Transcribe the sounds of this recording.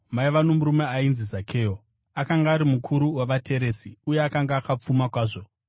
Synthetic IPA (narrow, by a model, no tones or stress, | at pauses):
maiʋano̞muɾumeainzizakʰe̞ːo | akaŋɡaːɾimukʰuɾuwaʋatʰe̞ɾe̞ːsiujeakaŋɡaːkap͡fumakwaːʐo̞